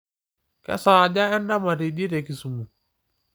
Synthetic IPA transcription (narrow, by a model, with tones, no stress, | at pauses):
kɛ̰˦sa˨d͡ʒa˦ɛ˦nda˦ma˨ɾi˨ɗi˦ɾɛ˨ki˨su˨mu˨